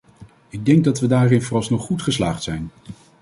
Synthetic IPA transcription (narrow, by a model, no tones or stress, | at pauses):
ɪɡ̚dɛŋɡ̚dɑtʋədaːrɪnvʊrɑsnɔχːutχəslaːχtsɛjn